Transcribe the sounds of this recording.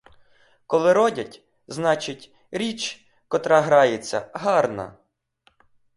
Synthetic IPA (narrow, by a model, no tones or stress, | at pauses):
kɔlˠɪɾɔdʲɐtʲ | znɑt͡ʃɪtʲ | ɾʲit͡ʃ | kɔt̪ɾɑɦɾɑjet͡sʲːɐ̰ɦɑrnɐ̰